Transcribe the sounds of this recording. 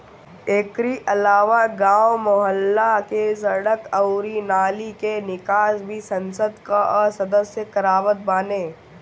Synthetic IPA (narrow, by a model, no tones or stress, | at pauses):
eːkɾiʔɐlaːʋaɡaːwmʊɦəlːakesɐɽəkɐʊɾinaːlikenɪkaːʃbʱisɐ̃nsəd̪kaʔɔsɐd̪əsjəkɐɾaːʋət̪̚baːneː